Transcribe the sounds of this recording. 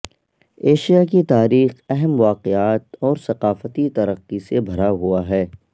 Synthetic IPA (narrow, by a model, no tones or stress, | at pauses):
eːʃijak̬it̪aːɾiːxɛɦɛmʋaːqɪaːt̪ɔːɾsɐqaːfət̪it̪ɐɾəqːisebʱɐɾaɦuaɦɛː